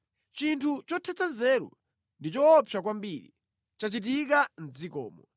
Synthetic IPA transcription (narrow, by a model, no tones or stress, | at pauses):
t͡ʃintʰut͡ʃɔtʰɛt͡sazɛːɾɔ̰ | ndit͡ʃɔːpʰak̬wambiɾḭ | t͡ʃat͡ʃit̬ikan̩d͡zikɔ̰ːmɔ